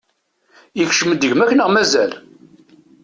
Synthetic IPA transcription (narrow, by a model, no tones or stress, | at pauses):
jəçʃəməd̪əʝmækːənəʁmæzæl